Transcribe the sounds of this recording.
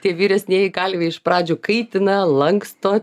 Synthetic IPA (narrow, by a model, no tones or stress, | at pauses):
t̪ʲiɛʋʲiːɾʲɛsʲnʲeɛjɛɪkɑlʲʋʲeːɪʃpɾɑːd͡ʒʲuːkɐɪt̪ʲɪnɐlˠɐŋkst̪oː